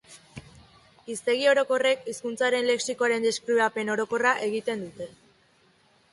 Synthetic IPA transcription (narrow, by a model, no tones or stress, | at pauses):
ist̪e̞ɣ̞io̞ɾo̞ko̞re̞kiskunt͡saɾe̞nle̞ksikoaɾe̞nd̪eskɾuape̞no̞ɾo̞ko̞raʔe̞ɣ̞it̪e̞nd̪ut̪e̞